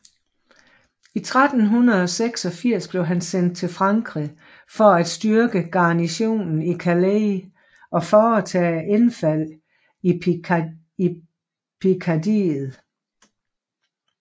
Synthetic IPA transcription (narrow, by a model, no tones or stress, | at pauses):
it͡sʰʁad̥n̩ɦunɐð̞̩ˠɒ̽seɡ̥sɒ̽fiɐ̰sb̥le̝ʊɦænsen̰d̥̚t͡sʰe̝lfʁɑ̈ŋɡ̥ʁi | fɒ̽æd̥sd̥yɐɡ̥əɡ̥ɑ̈ːniɕo̝̰ːnn̩ikʰæle | ʔɒ̽fɒːt͡sʰɛ̰ːʔenfæl̰ | i | i | pʰikʰɑdḭːð̩ˠ